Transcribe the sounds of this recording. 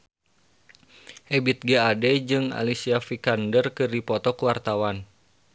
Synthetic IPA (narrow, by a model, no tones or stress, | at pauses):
hɛbit̪̚ɡaadɛd͡ʒɨŋa̰lisiafikandərkɨrdipɔt̪ɔkuwart̪awan